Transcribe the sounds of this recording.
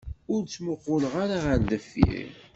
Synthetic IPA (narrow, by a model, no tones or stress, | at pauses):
ʊɾt͡sːməqːʊləʁaɾaʁəɾðəfːḭ